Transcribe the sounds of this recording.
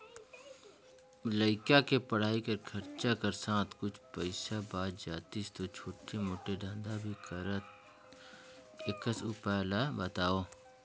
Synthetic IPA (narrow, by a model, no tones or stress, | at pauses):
ləɪkakepəɽ̤aːikɐɾkʰɐɾt͡ʃakəɾsãːt̪kʊt͡ʃʰpəɪsabaːd̪d͡ʒaːt̪ist̪ot͡ʃʰoːʈemoːʈeɖʱə̃nd̪abʱikəɾət̪̚ | ɪkəsupaːlabət̪aːoː